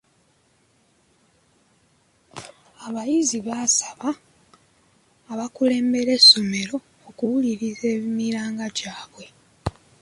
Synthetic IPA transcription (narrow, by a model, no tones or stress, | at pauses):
aβajiziβaːsḁβa | βakule̞ːmbe̞ɾe̞so̞me̞ɾo̞ːkuwuliɾize̞ːmiɾaːŋɡaɟaːβwe̞